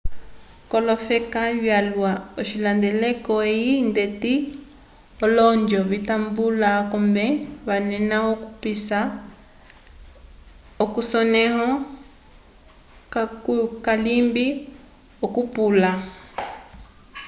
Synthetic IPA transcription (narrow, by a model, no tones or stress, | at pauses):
kɔlɔfɛkaβjalwaɔʃilandɛlɛkɔeindeti | ɔlɔnd͡ʒɔβitambulakɔmbɛβanɛnaɔkupisa | ɔkusɔnɛɦɔ | kalimbi | ɔkupula